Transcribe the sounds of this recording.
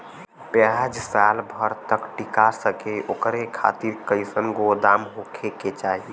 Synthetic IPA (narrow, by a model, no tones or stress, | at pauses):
pjad͡ʒsalbʱəɾt̪əkʈikaɾsəkeʔokɾekʰa̰t̪iɾkəɪsənɡod̪amɦokʰeket͡ʃaːɦi